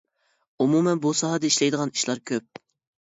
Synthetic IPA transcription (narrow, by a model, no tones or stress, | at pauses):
umumɛnbusɑɦɑd̪ɛiʃlɛjd̪əʁɑni̥ʃlˠɑɾkʲʰøp̚